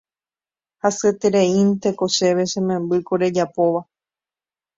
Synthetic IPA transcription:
hasɨet̪eɾeint̪e̞ko̞ʃe̞ʋe̞ʃẽmẽ̞mbɨkoɾe̞d͡ʒapo̞ʋa

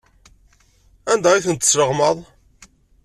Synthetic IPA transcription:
ænd̪æiθənt̪ːə̥sləʁməðˤ

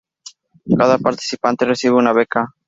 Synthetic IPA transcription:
kaðapaɾt̪i̥sipant̪eresiβeunaβeka

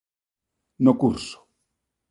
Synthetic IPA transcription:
nokurso̥

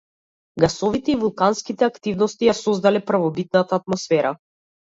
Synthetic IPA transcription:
ɡasɔvit̪ɛivulˠkanskit̪ɛakt̪ivnɔst̪ijasɔzd̪alɛpɾvɔbit̪̚nat̪aːt̪mɔsfɛɾa

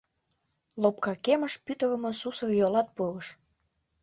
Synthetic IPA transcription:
lopkɑkemə̆ʃpyt̪ə̆lə̆mɤ̆susɤ̆rjolɑt̪̚polə̆ʃ

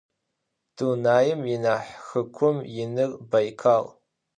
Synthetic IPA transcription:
d̥unaːjɪmjɪnaːħxɨkʷʰʊmjɪnɨrbajkʰaːl

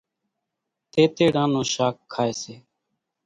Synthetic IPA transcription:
t̪eːt̪eːɽãːnõːʃaːkʰːaːeːseː

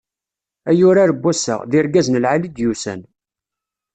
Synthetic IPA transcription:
æjʊɾaɾəbːæsə̰ʁðɪɾɡæznəlʕalid̪jusæ̰n

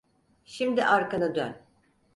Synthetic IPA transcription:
ʃimd̪iʔaɾkanɯd̪ø̰n

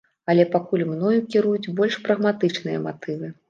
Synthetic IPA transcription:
ɐlʲɛpakulʲmnɔjukʲiɾujut͡sʲbɔlʲʂpɾɐɣmat̪ɨt͡ʂnɨjɐ̰ma̰t̪ɨvɨ

